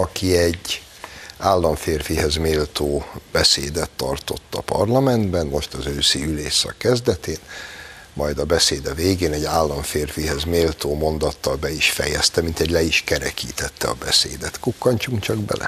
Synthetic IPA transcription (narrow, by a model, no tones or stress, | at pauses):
ɒkʰiɛɟː | aːlːɒɱfeːrfihɛzmeːlt̪oːbɛseːd̪ɛt̪ːɒrt̪o̞t̪ːɒpɒ̰rlɒmɛnd̪bɛnmo̞ʃt̪ɒzøːsiyleːʃsɒ̰kːɛzd̪ɛt̪eːn | mʔɒjd̪ɒbɛseːd̪ɛveːɡeːnɛɟaːlːɒɱfeːrfiɦɛzmeːlt̪oːmond̪ɒt̪ːɒlbɛiʃfɛ̰jɛst̪ɛmint̪ɛɟlɛiʃkɛɾɛkiːt̪ɛt̪ːɛɒ̰bɛsḛːd̪ɛt̪kukːɒɲt͡ʃuŋkt͡ʃɒɡbɛ̰lʔɛ̰